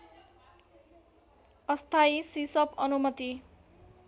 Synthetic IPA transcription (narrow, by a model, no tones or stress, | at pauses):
ʌst̪ʰaisisʌpʌnumʌt̪i